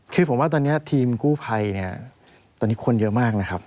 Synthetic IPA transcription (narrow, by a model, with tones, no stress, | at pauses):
kʰɯː˧pʰo˩˦wa˥˩t̪ɔː˧nːi˦˥ɐt̪ʰiː˧mkuː˥˩pʰa˧jni˥˩ɐ | t̪ɔː˧nːi˦˥kʰo˧njɤ˦˥ʔmaː˥˩k̚na˦˥kʰa˦˥p̚